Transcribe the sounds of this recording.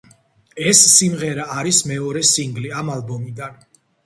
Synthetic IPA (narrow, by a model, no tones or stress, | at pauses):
ɛsːimʁɛɾaːɾismɛɔɾɛsiŋɡliamalˠbɔmid̪an